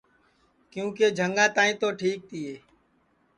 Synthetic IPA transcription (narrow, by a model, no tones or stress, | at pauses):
kjũːkeːd͡ʒʱəŋɡãːt̪aːĩːt̪oːʈʰiːk̚t̪ʰiːeː